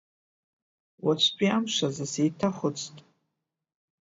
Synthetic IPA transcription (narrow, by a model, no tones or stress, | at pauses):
wat͡ʃʷʰpʰʼiamʂazasejtʰaχʷʊt͡sʰʼtʼ